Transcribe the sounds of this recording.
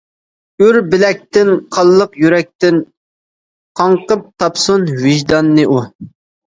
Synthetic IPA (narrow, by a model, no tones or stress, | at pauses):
yɾbɪlɛk̚ʲt̪ɪnqʰɑlˠːəqjyɾɛk̚ʲt̪ɪn | qʰɑɴqəp̚t̪ʰɑpsunvɪʒd̪ɑnːɨʔu